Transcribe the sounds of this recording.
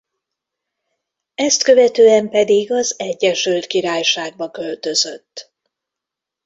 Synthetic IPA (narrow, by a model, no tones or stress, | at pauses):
ɛst̪kø̞vɛt̪øːɛmpɛd̪iɡɒzɛɟːɛʃylt̪kiɾaːjʃaːɡ̚bɒkø̞lt̪ø̞zø̞t̪ː